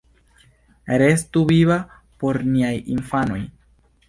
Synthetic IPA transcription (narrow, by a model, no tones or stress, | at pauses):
ɾe̞stuviβa | po̞ɾniajinfano̞̰j